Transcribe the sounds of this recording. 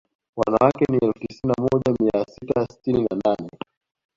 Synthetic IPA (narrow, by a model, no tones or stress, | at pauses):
wa̰nawakɛniɛlfu̥tisinamɔʄamiasitasi̥tininananɛ